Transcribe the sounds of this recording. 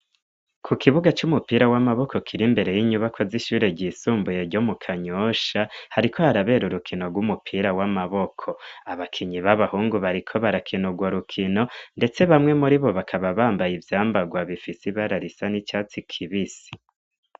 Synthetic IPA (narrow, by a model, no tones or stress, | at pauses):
kʰukʰiβuɡat͡ʃumupiɾawamaβo̞kʰo̞kʰiɾimbe̞ɾe̞jiɲuβakʰoziʃuːɾe̞ɟisuːmbuje̞ɾɟomukʰaɲoʃahaɾikʰo̞haɾaβe̞ːɾuɾukʰino̞ɡwumupʰiɾawamaβo̞kʰo̞aβakʰiɲiβaβahuːŋɡuβaɾikʰo̞βaɾakʰinuɡwaɾukʰino̞nde̞t͡se̞βamŋe̞muɾiβo̞βakʰaβaβaːmbajivjaːmbaɡwaβifisiβaɾaɾisanit͡ʃaːt͡sikʰiβisi̥